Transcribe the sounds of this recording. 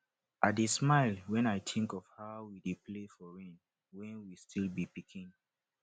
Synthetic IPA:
ʔadesmaɪlwɛ̃najtʰĩŋkɔfhaʊwidepʰlefɔɹɛ̃n | wɛ̃nwistʰilbipikʰĩn

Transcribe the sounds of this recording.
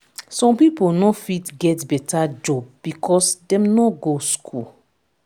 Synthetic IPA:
sɔ̃mpipolnɔfitɡɛtbɛtʰad͡ʒɔb̚ːikʰɔsdɛ̃mnɔɡoskʰul

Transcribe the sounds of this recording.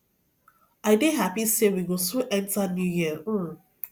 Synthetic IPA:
aɪdeɦapisewiɡosuʔɛ̃ntanjujiə

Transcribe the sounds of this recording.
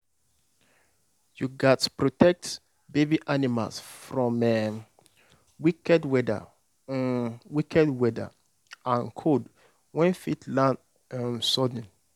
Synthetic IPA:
juɡatpɹotɛk̚t | bebiʔanima̰lsfɹɔ̃mɛ | wikɛdwɛda̰ | wikɛdwɛdə̰ | ãnkʰod | wɛ̃nfitʰlãn | msɔd̃n

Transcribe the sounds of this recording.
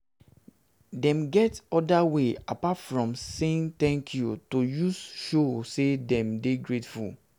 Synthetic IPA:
dɛ̃mɡɛtɔdaweapatfɹɔ̃mseĩnt̪ɛ̃ŋkʰjutojusʃosedɛ̃mdeɡɹetfṵl

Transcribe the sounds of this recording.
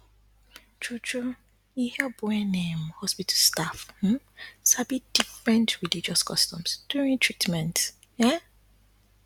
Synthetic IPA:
t͡ʃut͡ʃu | ihibɔɛnẽmhɔspitʰastaf̩ | sabid̥ifɹɛ̃ntʰɹilid͡ʒɔskʰɔstɔ̃msd̥uɹĩntʰɹitmɛ̃nt | ɛ

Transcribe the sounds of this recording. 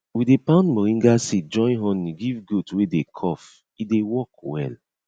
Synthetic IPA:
widepãʊ̃ndmɔɹĩŋɡasid͡ʒɔ̃nɦɔ̃niɡivɡutwedekʰɔf | idewɔk̚wɛ̰l

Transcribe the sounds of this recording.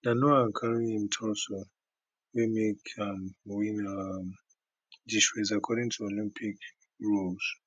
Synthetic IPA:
nanoãnkʰaɹiĩmtʰɔso | wimekʰanwĩna | diʃɹezakʰɔɾĩŋtʰuolĩmpʰik | ɹoz̥

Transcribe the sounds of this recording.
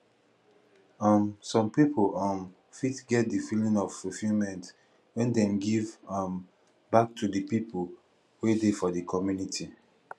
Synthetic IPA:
amsɔ̃mpipʰolãm | fitɡɛt̚difilĩŋɔv̥fufilmɛ̃nt | wɛ̃ndɛ̃mɡivãm | bak̚tʰudəpipʰo | wedefɔdikʰɔmjunitʰi

